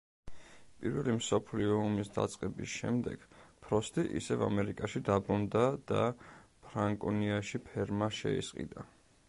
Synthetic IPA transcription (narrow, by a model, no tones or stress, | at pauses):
pʼiɾvɛlimsɔpʰliɔɔmisd̪a̰t̪sʼqʼɛbisʃɛ̰md̪ɛɡ̥pʰɾɔst̪ʼiʔḭsɛva̰mɛɾikʼaʃid̪abɾund̪ad̪̥apʰɾaŋkʼɔniaʃipʰɛɾmaʃɛ̰ḭsqʼḭd̪a